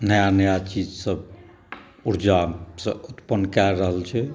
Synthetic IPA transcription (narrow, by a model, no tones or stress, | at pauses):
nəjanəjat͡ʃid͡ʒsəb | uɾd͡ʒasə̰̃ut̪pənːkɛɾəɦəlt͡ʃʰɛ